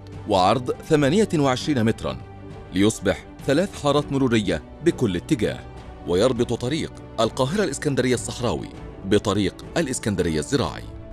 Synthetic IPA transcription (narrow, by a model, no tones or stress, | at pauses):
wɑʕɑɾˤd̪ˤθamaːnɪjawɪʕɪʃɾiːnamɪt̪ɾˤɑ̰n | lɪjʊsˤbɪħ | θalaːθħɑːɾˤɑːt̪mʊɾuːɾɪjːa | bɪkʊlːɪt̪ːɪɡa̰ːh | wajɑɾˤbɨt̪ˤt̪ˤɑɾiːq | ʔalqɑːɦɪɾalʔɪskand̪aɾɪjːasˤːɑħɾˤɑ̰ːwḭbɪt̪ˤɑɾiːqʔalʔɪskand̪aɾɪjːazːɪɾɑ̰ːʕɪ̰